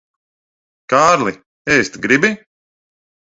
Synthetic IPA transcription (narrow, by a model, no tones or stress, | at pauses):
kaːɾlˠi | eːst̪ɡɾibi